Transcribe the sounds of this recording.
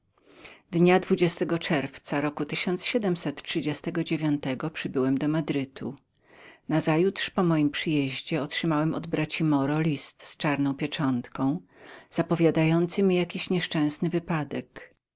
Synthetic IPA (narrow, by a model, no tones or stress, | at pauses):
d̪ɲad̪vud͡ʑɛst̪ɛɡɔt͡ʂɛɾft̪saɾɔkut̪ɘɕɔnt̪sɕɛd̪ɛmsɛt̪tʂɘd͡ʑɛst̪ɛɡɔd͡ʑevʲjɔnt̪ɛɡɔpʂɘbɘwɛmd̪ɔmad̪ɾɘt̪ʰṵ | nazajut̪ʂpɔmɔjimpʂɘjeʑd͡ʑɛɔtʂɘmawɛmɔ̰d̪bɾat͡ɕimɔɾɔlʲist̪st͡ʂaɾnɔ̃w̃pʲjɛt͡ʂɔnt̪kɔ̃w̃z̥apɔvʲjad̪ajɔnt̪sɘmʲijakʲiɕɲɛʂt͡ʂɛ̃w̃snɘvɘpad̪ɛk